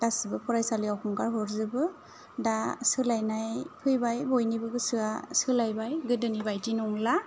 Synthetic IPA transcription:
dasibɯpʰɔɾajsaliawkʰɔŋkaɾɦɔɾzɯbɯ | dasɯlajnajpʰɯjbajbɔjnibɯɡɯsɯasɯlajbajɡɯdɯnibajtinɔŋla

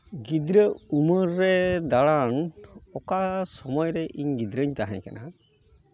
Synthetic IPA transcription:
ɡid̪ɾəuməɾːɛd̪aɭanɔkasɔmɔjɾɛʔiɲɡid̪ɾəɲt̪aɦɛ̰̃ɲkana

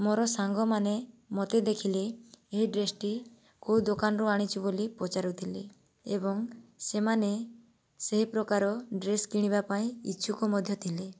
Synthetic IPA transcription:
moɾɔsaŋɡɔmanemɔt̪ed̪ekʰileːɦiɖɾesʈi | kowd̪okanɔɾuaɽ̃it͡ʃʰibolipɔt͡ʃaɾut̪ʰile | ebɔŋsemane | seɦipɾɔkaɾɔɖɾeskiɽ̃ibapaĩḭtːʃʰukumɔd̪ʱjɔt̪ʰile

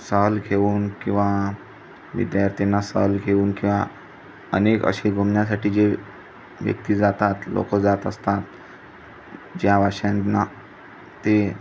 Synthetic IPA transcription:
səɦlɡʱeuːnkĩw̃ʋa | ʋḭd̪jaɾt̪ʰinːasə̰ɦlɡʱeuːnkĩw̃ʋa | ə̰nekə̰ɕiɡʱomnjas̬aʈiːd͡ʑe | ʋjə̰k̚t̪iːd͡zat̪at̪lo̰kəd͡zat̪əst̪at̪ | d͡ʑjaʋaɕãnna | t̪e

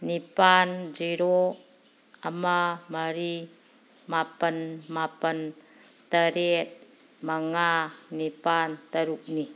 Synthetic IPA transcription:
nipand͡ʒiɾo | amamaɾi | mapənmapən | t̪əɾet̪̚ | maŋanipant̪əɾuk̚ni

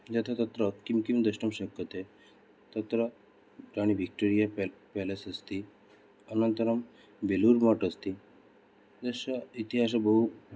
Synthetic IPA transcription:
d͡ʑɐt̪ʰat̪ət̪ɾəkimkimd̪əʃʈəmɕəkːət̪e | t̪ət̪ɾə | ɾaɽ̃iʋik̚ʈoɾijapɛlesəst̪i | ənənt̪əɾəm | beluɾmaʈəst̪i | d̪əʃait̪iɦaʃ̬abəɦu

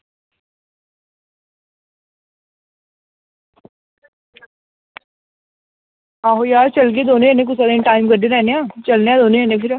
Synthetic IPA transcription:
aːɦojaːɾt͡ʃəlɡeːd̪oːnõenẽːk̬ʊsʰaːd̪enʈaːɪmɡəɖeɾɛːneãːt͡ʃəlneãːd̪oːnõeːnẽpʰɪɾ

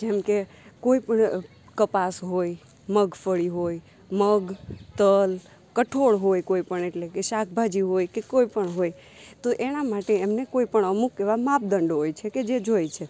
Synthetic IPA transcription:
d͡ʒemke | koipəɳ | kəpasɦoj | məɡʱpʰəɽiɦoj | məɡt̪əl | kəʈʰoɽɦojkoipəɳeʈlekeʃak̚ʰbʱad͡ʒiɦojkekoipəɳɦoj | t̪oʔeñamaʈeemnekoipəɳəmukeʋamap̚d̪əɳɖɦojt͡ʃʰeked͡ʒed͡ʒojt͡ʃʰe

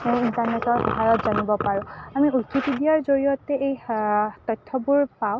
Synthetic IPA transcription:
ejintaɹnɛtɔtsɔɦajɔtzanibɔpaɹʊ̃amiukit̪idijaɹzoɹijɔtɛejtɔtʰːɔbuɹpaw

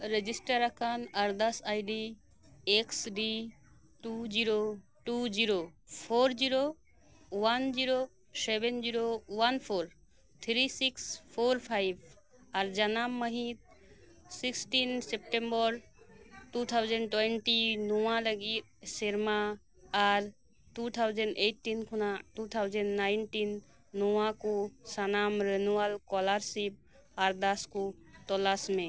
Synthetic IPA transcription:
ɾed͡ʒisʈəɾɐkʰanɐɾd̪ɐsajɖi | eksɖi | ʈud͡ʒiɾo | ʈud͡ʒiɾopʰoːɾd͡ʒiɾo | ʋɐnd͡ʒiɾo | seʋend͡ʒiɾoʋɐnpʰoːɾ | t̪ʰɾisikspʰoɾpʰajb | aɾd͡ʒɐnamːəɦit̪̚ | siksʈinsep̚ʈembəɾʈut̪ʰawd͡ʒəɳɖʈweɳʈinoãləɡi | seɾmaː | ɾ | ʈut̪ʰawd͡ʒəɳɖeʈːinkʰunaʈut̪ʰawd͡ʒənɖnaɪnʈinː | oãkosanamɾenualkɔlaɾsip̚ | aɾd̪asko | t̪ɔlasmẽ

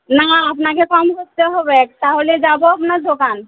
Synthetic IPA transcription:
naapnakekɔmɦost̪aɦobɛk̚t̪aɦoled͡ʒabɔapnaɾd̪okan

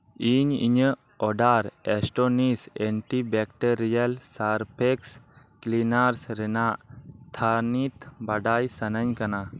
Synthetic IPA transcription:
iɲḭɲə | ɔɖaɾɛsʈonisɛɳʈibɛk̚ʈeɾijalsaɾpʰeks | klinaɾsɾɛnaʔt̪ʰanit̪baɖajsənəɲkana

